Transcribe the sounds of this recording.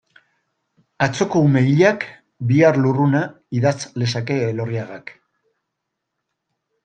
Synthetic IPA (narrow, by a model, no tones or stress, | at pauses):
at͡so̞ko̞ume̞iʎak | biarluruna | iðat͡sle̞s̬ake̞ːlo̞riaɣak